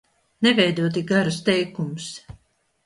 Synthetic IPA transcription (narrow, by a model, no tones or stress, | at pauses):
nɛvɛjd̪uɔt̪̬iɡaɾust̪ɛjkumus